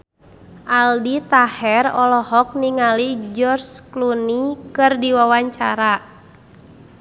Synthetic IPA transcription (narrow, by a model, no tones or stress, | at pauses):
ʔaldit̪ahɛrɔlɔhɔk̚niŋalid͡ʒɔrsklunikɨrdiwawaɲt͡ʃa̰ɾa